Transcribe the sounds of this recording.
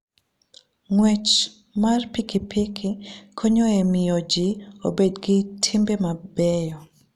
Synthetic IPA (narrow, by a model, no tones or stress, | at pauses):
ŋwɛt͡ʃ | marpikipʰikʰɪkʰoɲoemɪjod͡ʒio̰bedɡɪtʰimbemabɛjɔ